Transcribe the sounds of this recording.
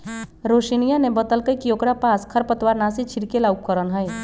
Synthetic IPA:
ɾoʃinijanebət̪əlkəjkiokɾapaskʰəɾpət̪waɾnasit͡ʃʰiɾkelauk̚kəɾənɦəj

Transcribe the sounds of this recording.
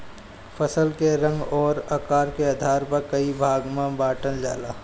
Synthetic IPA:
pʰəsəlkeɾə̃ŋɡɔːɾɐkaːɾkeɐd̪ʱaːɾpəɾkəibʱaːɡmãbaːʈəld͡ʒa̰ːlaː

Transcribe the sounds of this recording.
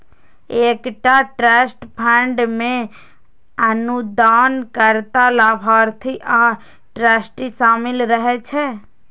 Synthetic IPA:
eːkʈaʈɾɛːsʈpʰə̃ɳɖmẽ | ənud̪aːnkəɾt̪alaːbʱaːɾt̪ʰiʔa | ʈɾɛːsʈiʃaːmɪlɾəɦɛt͡ʃʰɛ

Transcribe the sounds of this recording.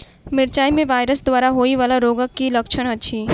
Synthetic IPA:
mɪɾt͡ʃaːimẽʋaːjɾəsd̪ʋaːɾaɦoːiʋaːlaɾoːɡəkːilɐkʃʰəɽ̃ɐtːʃʰiː

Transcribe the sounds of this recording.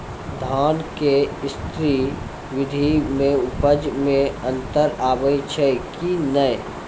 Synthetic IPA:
d̪ʱaːnkeɪst̪ɾi | ʋɪd̪ʱimẽʊpəd͡ʒmẽə̃nt̪əɾaːʋəjt͡ʃʰəkinəj

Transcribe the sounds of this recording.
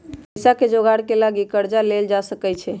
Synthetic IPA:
saked͡ʒoɡaɽkelaɡikəɾd͡ʒaleld͡ʒasəkɛt͡ʃʰɛ

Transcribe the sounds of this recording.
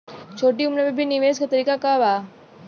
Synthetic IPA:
t͡ɕʰoʈiːumnebebʱiniʋeskat̪əɾiːkakaʋa

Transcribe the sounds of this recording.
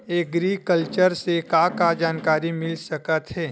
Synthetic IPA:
eːɡɾikəlt͡ʃəɾsekakad͡ʒaːnkaːɾimɪlsɐkət̪ɦɛː

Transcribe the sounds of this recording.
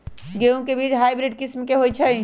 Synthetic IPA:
ɡeõkebiːt͡ʃɦaːjbɾɪɖ̚kɪsmkeɦoːit͡ʃʰɐi

